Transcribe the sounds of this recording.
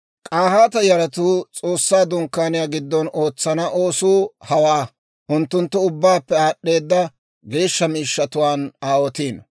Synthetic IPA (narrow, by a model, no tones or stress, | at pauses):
kʼaːhaːt̪ɐjɐɾɐt̪uːt͡sʼo̞ːsːaːd̪ʊŋkːaːnɪjaːɡɪd̪ːɔno̞ːt͡sːɐnɐʔo̞ːsuːhɐwaː | ʔʊnt̪ːʊnt̪ːʊʊbːaːpːɛaːɗːe̞ːd̪ːɐ | ɡe̞ːʃːɐmiːʃːɐt̪ʊwaːnaːwɔt̪iːn